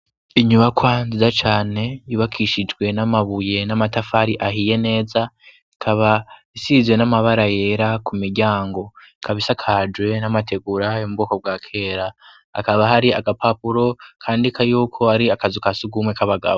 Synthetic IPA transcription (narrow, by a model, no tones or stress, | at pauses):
iɲuβakʰwanzizat͡ʃaːne̞jiβakʰiʃid͡ʒɡwe̞namaβuje̞namatafaɾiʔaɦije̞ne̞ːza | ikʰaβaisizwe̞namaβaɾaje̞ːɾakumiɾɟaːŋɡo̞ikʰaβisakʰad͡ʒwe̞namatʰe̞ɡuɾajomubɡoːko̞b̚ɡwaːkʰe̞ːɾa̰ː | kaβaɦaɾiaɡapapuɾo̞kʰaːndikʰajuːkʰo̞aɾiakazikasuɡumwekʰaβaɡa̰βo